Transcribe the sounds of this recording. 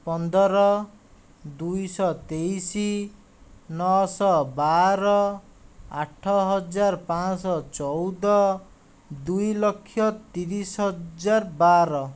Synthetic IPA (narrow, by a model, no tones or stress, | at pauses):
pɔnd̪ʱɔɾɔ | d̪ujsɔt̪ejsi | nɔsɔbaɾɔ | aʈʰːɔɦʌd͡zaɾpãsɔt͡ʃɔwd̪ɔ | d̪ujlʌkʰːjɔt̪iɾisɦʌd͡zarbaɾɔ